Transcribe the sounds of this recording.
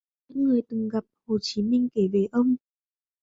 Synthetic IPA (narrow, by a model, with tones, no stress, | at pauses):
ɨ̰˧˥ŋŋɨ˨˩əjt̪ɨ˨˩ŋɣa˨˩p̚ho˨˩t͡ɕi˨˦mï˧ŋ̟ke˧˩ve˨˩ʔə˧wŋ͡m